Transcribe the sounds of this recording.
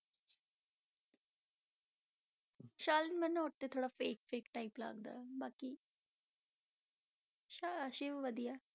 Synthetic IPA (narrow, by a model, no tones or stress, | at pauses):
ʃaːlənmɛnũoʈ̚t̪eːt̪ʰoːɽaːfeːkfeːkʈaːiːpla̰ːɡd̪a̰ːbaːkiː | ʃaəʃeːʋəd̪ijaː